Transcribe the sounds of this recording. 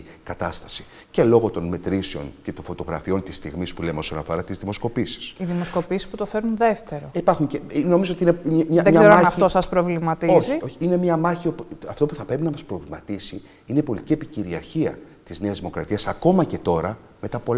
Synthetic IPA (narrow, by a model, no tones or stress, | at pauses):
kɐt̪ɐst̪ɐ̥si̥ | ce̞lo̞ɣo̞t̪o̞nme̞t̪ɾiseo̞̰nce̞t̪oɱfo̞t̪o̞ɣɾɐ̰fio̞nt̪ist̪iɣmispulemeo̞sɐnɐfo̞̰ɾɐt̪izðimo̞sko̞pisi̥siðimo̞sko̞pisisput̪ofe̞ɾunðe̞ft̪e̞ɾo̞ipɐɾxuɲceno̞mizoot̪inemɲɐðɡeɾoɐnɐft̪o̞sɐspɾo̞vlimɐt̪ioçioçiine̞mɲɐmɐçiopɐft̪o̞puθɐpɾe̞pinɐmɐspɾo̞vlimɐt̪isi | ineipo̞lit̪iciepiciɾiɐɾçiɐ | t̪izne̞ɐzðimo̞kɾɐt̪iɐsɐko̞mɐce̞t̪o̞ɾɐ | me̞t̪ɐpo